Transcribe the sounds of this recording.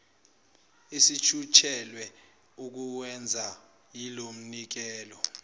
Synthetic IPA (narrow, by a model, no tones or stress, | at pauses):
isit͡ʃʰut͡ʃʰɛlwɛ | uk̬uwɛnd͡zʱa | jilom̩nik̬ɛːlɔ